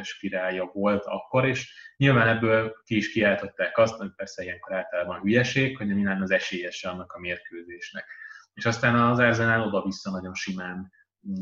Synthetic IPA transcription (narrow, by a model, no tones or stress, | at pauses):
ʃpiɾaːljɒvo̞lt̪ɒ̰kːo̞ɾeːʃɲilvaːnɛbːøːlkiiʃkiaːlt̪o̞t̪ːaːkɒst̪ɒipɛrsɛijɛŋko̞ɾaːlt̪ɒlaːbɒnɦyjɛʃeːkho̞ɟɒɲilaːnɒzɛʃeːjɛʃɛɒnːɒkɒmeːrkøːzeːʃnɛkeːʃɒst̪aːnɒzɛrzɛnaːlo̞d̪ɒvisːɒnɒɟo̞nʃimaːn